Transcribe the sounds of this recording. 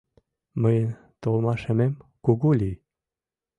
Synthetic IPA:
məjən | t̪omɑʃəmemkuɡulʲi

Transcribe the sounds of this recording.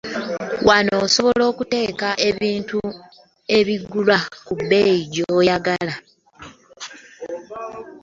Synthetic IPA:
wʔano̞ːso̞βo̞lo̞ːkute̞ːkaʔeβiːntu | e̞βiɡulwakubːeiɟojaɡala

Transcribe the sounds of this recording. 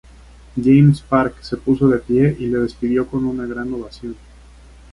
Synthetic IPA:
ɟ͡ʝejmspaɾkse̞puso̞ðe̞pje̞ʔile̞ðe̞spiðjo̞ko̞nunaɣɾanoβasjo̞n

